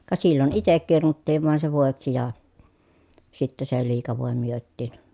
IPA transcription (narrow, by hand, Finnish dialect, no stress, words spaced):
kɑ silːon itek kirnutːiːʋ ʋɑˑen se ʋoˑeksi jɑ sitːe se liːkɑ ʋoˑe myøtːiːn